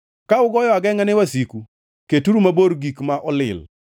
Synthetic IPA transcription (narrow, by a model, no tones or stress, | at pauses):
kaʊɡɔjɔaɡɛŋanɛwasiku | ketuɾumaboɾɡikmaʔɔlɪ̰l